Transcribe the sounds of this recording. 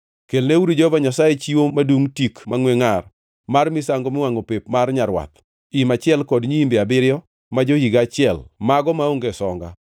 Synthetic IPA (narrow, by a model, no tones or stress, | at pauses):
kelneuɾid͡ʒɔvaɲasajet͡ʃiwomaduŋtikmaŋweŋar | marmɪsaŋɡɔmɪwaŋopepmarɲaɾwa̰t̪̚ | imat͡ʃɪɛlkɔdɲiimbeabɪɾjɔ | mad͡ʒohiɡat͡ʃɪɛlmaɡɔmaoŋɡɛsɔŋɡa̰